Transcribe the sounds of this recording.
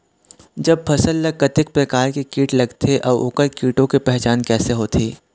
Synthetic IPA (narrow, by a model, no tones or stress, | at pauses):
d͡ʒɐb̚pʰɐsəlːɐɡ̚kɐt̪ɪk̚pɾɐkaːɾkekiːʈlɐɡt̪ʰeʔɔːʊ̰kəɾkiːʈõkepɛɦt͡ʃaːnkɛːseɦoːt̪ʰiː